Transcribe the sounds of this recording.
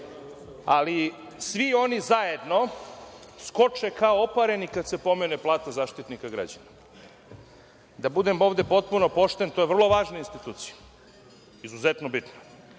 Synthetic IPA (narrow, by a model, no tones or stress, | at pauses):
ali | sʋio̞nizae̞d̪no̞ | sko̞t͡ʂekaoopaɾenikad̪sepo̞meneplˠaːt̪azaːʃt̪it̪nikaɡɾa̰d͡ʑana | d̪abud̪emo̞ːʋd̪e̞po̞t̪̚puno̞po̞ʃt̪ent̪ojeʋr̩lˠo̞ʋaːʒnainst̪it̪uːt̪si̥ja | izuzet̪nobit̪no